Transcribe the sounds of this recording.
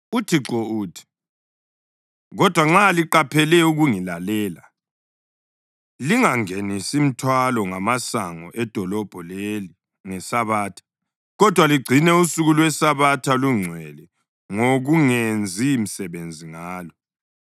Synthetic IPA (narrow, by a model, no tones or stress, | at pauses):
utʰiǁɔuːtʰi̥ | ɣɔd̥ʱwaŋ͡ǁaliǃapʰɛlɛuɣuŋilalɛːla | liŋaŋenisim̩tʰwalɔŋamasaŋɔʔɛd̥ʱɔlɔb̥ʱɔleli | ŋɛsaβaːtʰḁ | ɣɔd̥ʱwaliɡ͡ǀʱinɛusuɣulwɛsaβatʰaluŋ͡ǀʱwɛlɛ | ŋoɣuŋend͡zʱiːm̩sɛβend͡zʱiŋaːlɔ